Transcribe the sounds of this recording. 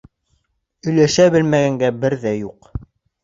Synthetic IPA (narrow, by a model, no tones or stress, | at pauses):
ɵ̆jlæʃæbɘ̆lmæɡæŋɡæbɘɾðæjuq